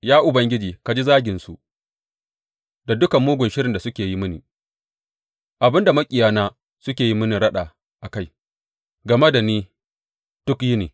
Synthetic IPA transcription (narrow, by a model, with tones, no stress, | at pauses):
jaː˦ʔʊ˨bɐ˦ŋɡʲɪ˦d͡ʒiː˨ka˨d͡ʒi˦zaː˦ɡʲɪ˨nsu˨ | da˨dʊ˦kɐ˨mːuː˦ɡʷʊ˨nʃɪ˦ɾɪ˨nda˨sʊ˦kʲeː˨ji˦mɪ˦niː˨ | ʔa˨bɪ˦nda˨mɐ˦kʲʼɪ˨jaː˦naː˦ | sʊ˦kʲeː˨ji˦mɪ˦ni˨ɽɐ˦ɗaː˨ | ʔa˨ka˦˨j | ɡɐ˨me˦da˨niː˦ | d̥ʊ˦kji˦neː˨